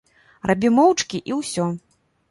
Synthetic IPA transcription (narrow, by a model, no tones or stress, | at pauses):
rʔabʲimɔwt͡ʂkʲiʔiwsʲɔ